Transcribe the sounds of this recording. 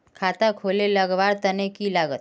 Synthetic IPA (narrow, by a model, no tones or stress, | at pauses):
kʰat̪akʰoleləɡʋaɽt̪ənekilaɡət̪